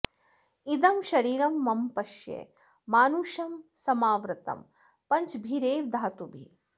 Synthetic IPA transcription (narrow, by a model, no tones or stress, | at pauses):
id̪ɐmʃɐɾiːɾɐmːɐmpɐʃjḛ | maːnuʃɐmsɐmaːʋɾɨt̪ɐ̰m | pɐɲt͡ʃbʱiɾeːʋd̪ʱaːt̪ubʱi